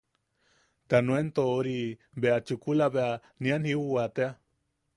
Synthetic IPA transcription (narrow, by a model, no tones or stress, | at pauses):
t̪anũent̪ooɾi | beat͡ʃukulaβea | nĩanhiuat̪ea